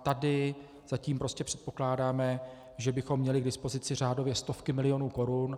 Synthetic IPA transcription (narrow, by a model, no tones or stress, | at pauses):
t̪adɪ | z̥aciːmpɾo̞scɛpr̥ɛ̥t̪̚po̞̥klaːdaːmɛ | ʒɛbɪxomːɲɛlɪɡdɪspo̞zɪt͡sɪr̝aːdo̞vjɛst̪o̞fkɪmɪlɪjo̞nuːko̞ɾʊn